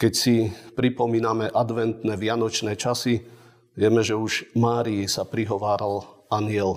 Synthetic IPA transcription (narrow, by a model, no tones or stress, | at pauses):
kɛcsipɾipɔmiːnamɛʔad̪ʋɛnt̪nɛʋɪanɔt͡ʃnɛːt͡ʃasi | ʋɪɛmɛʒɛuʒmaːɾiisapɾiɦɔʋaːɾal | anɪɛl